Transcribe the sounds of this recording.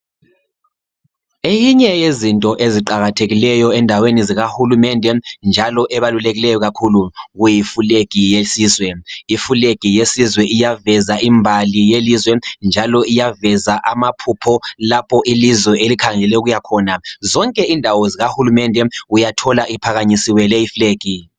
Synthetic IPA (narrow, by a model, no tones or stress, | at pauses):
ejiɲɛjezintʼɔʔeziǃaɣatʰeɣilɛjɔɛndʱaweniziɣahulumɛndʱɛnd͡ʒʱalɔʔɛβaluleɣilɛjɔɣakʰuluɣujifuleɡ̥ʱijesiːzwɛifuleɡ̥ʱijesizwɛʔijavɛzaʔimbʱalijelizwɛnd͡ʒʱalɔijavɛzaʔamapʰupʰɔlapʰɔʔilizwɛelikʰaŋɛlɛuɣujakʰɔːnazɔŋkʼɛindʱawɔziɣahulumɛndʱɛujatʰɔlaʔipʰaɣaɲisiwɛlɛifleːɡ̥ʱi